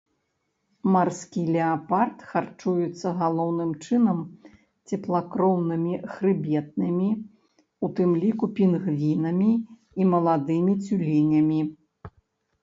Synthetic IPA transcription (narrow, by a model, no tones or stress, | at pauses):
marskʲilʲɛapart̪xart͡ʂujut̪sːɐɣalˠɔwnɨmt͡ʂɨnɐm | t͡sʲɛplˠakɾɔwnɨmʲixɾɨbʲɛt̪̚nɨmʲi | ut̪ɨmlʲikupʲinɣvʲinɐmʲiː | mɐlˠad̪ɨmʲit͡sʲulʲinʲɐmʲi